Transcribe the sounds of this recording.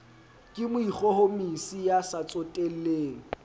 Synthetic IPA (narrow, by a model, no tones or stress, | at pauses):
kʼɪmʊik͡xɔhomisijasat͡sʼotʼel̩leːŋ̩